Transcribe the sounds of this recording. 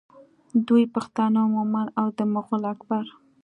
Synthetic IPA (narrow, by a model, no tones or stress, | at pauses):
d̪ujpaxt̪ɑnamʊmanawd̪əmʊɣʊlakbaɾ